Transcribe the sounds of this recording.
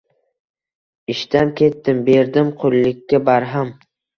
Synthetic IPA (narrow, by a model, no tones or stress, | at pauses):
ɪʃt̪ankʲʰe̞t̪ːɪmbe̞ɾd̪ɪmqʰolːɪkʲːabaɾɦam